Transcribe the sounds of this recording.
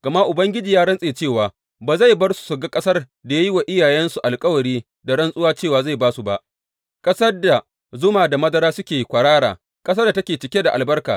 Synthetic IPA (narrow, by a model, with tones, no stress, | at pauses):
ɡ̥ɐ˨ma˦ʔʊ˨bɐ˦ŋɡʲɪ˦d͡ʒiː˨jaː˦ɽɐ˦nsʼeː˨t͡ʃeː˦˨waː˨ | baː˨za˦˨jbɐ˦rsu̥˨sʊ˨ɡa˦kʼɐ˦sɐ˦r | da˨ja˦ji˦wa˨ʔɪ˦jaː˨jɛ˦nsu˨ʔa˨lkʼɐ˦wɐ˨ɽiː˦ | da˨ɽɐ˦nsʼʊ˦waː˦t͡ʃeː˦˨waː˨za˦˨jbaː˦su˨ba˦ʔ | kʼɐ˦sɐ˦rda˨ | zʊ˦maː˨da˨mɐ˦dɐ˦ɾaː˦sʊ˦kʲeː˨kʷɐ˨ɽaː˦ɽa̰ː˨ | kʼɐ˦sɐ˦da˨tɐ˦kʲeː˨t͡ʃɪ˨kʲe˦da˨ʔa̰˨lbɐ˦rka̰ː˨